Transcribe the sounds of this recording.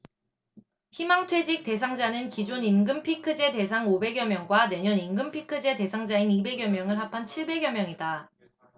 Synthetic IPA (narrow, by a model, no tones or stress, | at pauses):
çimaŋtʰwe̞d͡ʑik̚t͈e̞sʰaŋd͡ʑanɯnkid͡ʑoninɡɯmpʰikʰɯd͡ʑe̞te̞sʰaŋobe̞ɡjʌmjʌŋɡwane̞ɲʌninɡɯmpʰikʰɯd͡ʑe̞te̞sʰaŋd͡ʑainibe̞ɡjʌmjʌŋɯɭɦapʰant͡ɕʰiɭbe̞ɡjʌmjʌŋida